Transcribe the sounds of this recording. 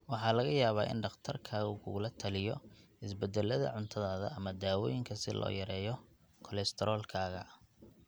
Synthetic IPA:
wɑħɑːlɐɣɐjaːβaːʔɪ̰nɖɑqt̪ʰɐrkʰaːɣʊkʰʊɣʊlɐt̪ʰɐlɪjɔ | ɪsbɛd̪ɛlːɐðɐ̰ʕʊnt̪ʰɐðaːðɐʔɐmɐd̪aːwɔ̰ːjɪŋkʰɐsɪ̰lʔɔ̰ːjɐɾɛːjɔ | kʰɔlɛst̪ʰɛɾɔːlkʰaːɣɐ̰

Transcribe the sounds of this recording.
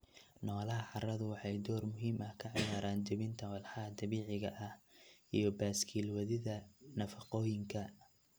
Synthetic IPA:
nɔːlɐɦɐʕɑrɐðʊwɑħɑjd̪ɔːrmʊɦiːmʔɐhkʰɐʕɪjaːɾaːnt͡ʃɐβɪnt̪ʰɐwɑlħɑɐd̪ɐβiːʕɪɣɐʔɐhʔijɔbaːskʰiːlwɐðɪðɐnɐfɑqɔːjɪŋkʰɐ

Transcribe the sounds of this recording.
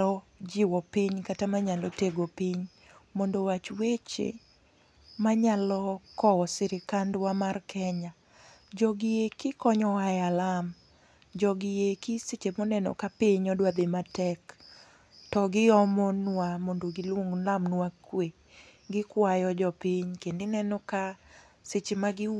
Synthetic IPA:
ɔd͡ʒɪwɔpɪɲkatamaɲalɔteɡopɪɲ | mɔndowat͡ʃwet͡ʃḛ | maɲalɔkɔɔsɪɾɪkandwamarkʰɛɲa | d͡ʒɔɡɪjekɪkɔɲɔajalam | d͡ʒɔɡɪjekiset͡ʃemɔnɛnɔ̰kapɪɲɔdwad̪ematɛk | tɔɡɪɔmɔnwamondoɡɪlwoŋlamnwakwe | ɡɪkwajɔd͡ʒɔpiɲkendɪnɛnɔka | set͡ʃemaɡɪ

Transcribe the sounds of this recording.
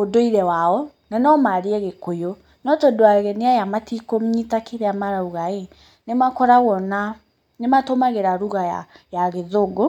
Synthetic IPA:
odoiɾɛwaɔ | nanɔmaɾeɛɣekojo | nɔtodoaɣɛneajamatikomɲitakeɾeamaɾauɣae | nemakɔɾaɣɔna | nematomaɣeɾaɾuɣaa̰jaɣeðoɡo

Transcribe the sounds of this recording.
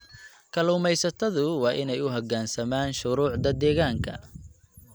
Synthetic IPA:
kʰɐluːmɛjsɐt̪ʰɐðʊwɑːʔɪnɛjʊɦɐɡaːnsɐmaːnʃʊɾuːʕd̪ɐd̪ɛːɣaːŋkʰɐ̰

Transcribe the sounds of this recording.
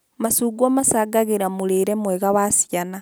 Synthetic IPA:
masuːɡwamasaːɡaɣeɾamuɾeɾɛmwɛɣaβasiana

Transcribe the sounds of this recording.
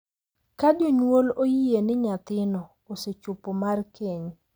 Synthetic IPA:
kad͡ʒoɲwolojienɪɲat̪ɪnɔ | oset͡ʃupomarkʰeɲ

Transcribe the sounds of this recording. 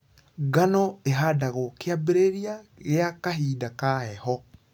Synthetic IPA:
ɡanɔeɦadaɣokeabeɾeɾiaɣeakaɦiːdakaɛhɔ

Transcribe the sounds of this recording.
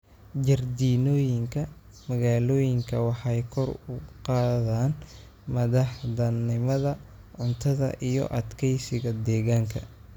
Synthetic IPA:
d͡ʒɐrd̪iːnɔːjɪŋkʰɐ | mɐɣaːlɔːjɪŋkʰɐwɑħɑjkʰɔrʊqɑːðaːn | mɐðɑħd̪ɐnːɪmɐðɐ | ʕʊnt̪ʰɐðɐ̰ʔijɔ̰ʔɐd̪kʰɛjsɪɣɐd̪ɛːɣaːŋkʰɐ̰

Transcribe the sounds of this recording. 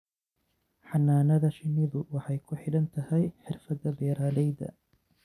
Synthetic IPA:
ħɑnːaːnɐðɐʃɪnːɪðʊwɑħɑjkʰʊħɪɽɐnt̪ʰɐhɛjħɪrfɐd̪ɐbɛːɾaːlɛjðɐ̰

